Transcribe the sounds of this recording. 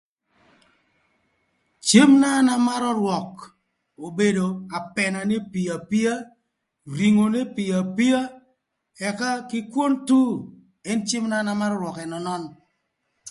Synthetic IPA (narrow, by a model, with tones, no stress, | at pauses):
t͡ʃe˦mna˦na˦ma˦ɾɔ˦ɾwɔ˨k | o˨be˨do˨a˨pɛ˨na˨ne˦pi˨a˨pi˦a˦ | ɾi˨ŋo˨ne˦pɪ˨a˨pi˦a˦ | ɛ˨ka˦kɪ˦kwo˦ntu˦ | ɛ˦nt͡ʃe˦mna˦na˨˦ma˦ɾɔ˦ɾwɔ˨kɛ˨nɔ˨nɔ˦n